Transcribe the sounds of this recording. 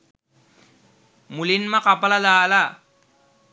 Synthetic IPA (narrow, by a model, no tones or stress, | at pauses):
mulinmakapalalaːla